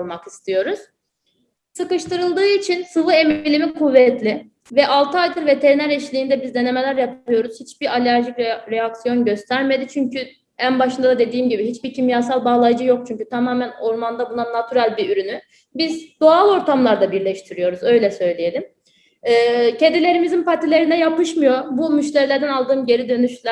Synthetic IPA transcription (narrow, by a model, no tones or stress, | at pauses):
lˠmakist̪ʰijo̞ɾuz̥ | sɯkɯʃt̪ɯɾɯlˠd̪ɯːit͡ʃʰinsɯvɯe̞milʲimikʰuvːɛt̪lʲɪ | vɛʔalˠt̪ʰɯajd̪ɯɾve̞t̪ʰe̞ɾinæɾɛʃlʲiːnd̪ɛbizd̪e̞ne̞me̞lʲæɾjap̪ʰˠɯjo̞ɾuz̥hit͡ʃbiɾalʲæɾʒicɾɾejaksijo̞nɟø̞st̪ʰæɾme̞d̪it͡ʃʰyɲcʰy | ænbaʃɯnd̪ad̪ad̪e̞d̪iːmɟibiɦit͡ʃbicʰimjaːsalˠbaːlˠajd͡ʒɯjo̞k̚t͡ʃʰyɲcyt̪ʰamaːmæno̞ɾmand̪abunˠanat̪ʰyɾalʲbiyɾyny | bizd̪oalˠo̞ɾt̪ʰamlˠaɾd̪abiɾlʲɛʃt̪ʰiɾijo̞ɾuzø̞jlʲɛsø̞jlʲije̞lʲim | ɛːce̞nd̪ilʲe̞ɾimizinpat̪ʰilʲe̞ɾinɛjapɯʃmɯjo̞ɾbumyʃt̪ʲeɾilʲæɾd̪ænalˠd̪ɯːmɟe̞ɾid̪ø̞nyʃlʲæ